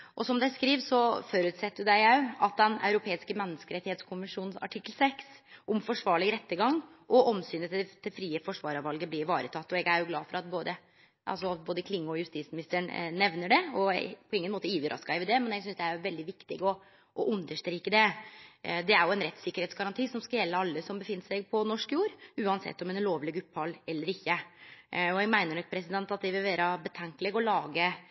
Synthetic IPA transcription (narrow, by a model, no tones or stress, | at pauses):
ʔɔsɔmd̪æɪskɾiːʋsɔfɔɾʉːt̪sɛt̪ːəɾjʊd̪æɪjæɑt̪̚d̪ɛnɑ̰ʉɾʊpʰeːɪskəmɛnːəskəɾɛt̪ɪheːt̪skʰʊmɪʂuːnsɑ̰ʈʰɪkːəlsɛksʔɔmfɔʂʋɑːɭɪɡɾɛt̪ːəɡɑŋːʔɔʔɔmsyːnət̪d̪ʰɪfɾiːəfɔʂʋɑːɾɑʋɑlɡəblɪɾʋɑːɾət̪ʰɑt̪ːɔɛɡæɾjʊɡlɑ̰ːfɔɾɑt̪̚boːd̪ə | ʔɑ̰lsɔboːd̪əkʰlɪŋːʊɔjʉst̪iːtsmɪnɪst̪əəɳnɛʋnəɖɛɔpʰɔɪŋːənmoːt̪əiːʋəɾʔɑ̰skɑɪʋɪd̪ɛmɛnɛɡsʏnsd̪ɛæɾʋɛld̪ɪʋɪkt̪ɪɡɔ | ʔɔʔʉnd̪əʂt̪ɾiːkəd̪ɛ | d̪ɛæɾjʊɛnɾɛt̪sɪkəɾheːt̪sɡɑɾɑnt̪ʰiːsɔmskɑljɛlːəɑlːəsɔmbəfɪnːəʂæɪɡ̚pʰɔnɔʂkjuːɾʉːɑnsɛ̰t̪ːɔmɛnloːʋlɪɡʉpːhɑlːɛlːəɾɪçːə | ɔɛɡmæɪnəɳɔk̚pʰɾɛsɪd̪ɛnt̪ɑt̪̚d̪ɛʋɪlʋæːɾəbət̪ʰɛŋklɛɡɔlɑːɡə